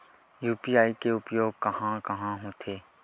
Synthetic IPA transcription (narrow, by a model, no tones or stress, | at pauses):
juːpiːaːikeʊpjoːɡ̚kəɦãːkɐɦãːɦõːt̪ʰeː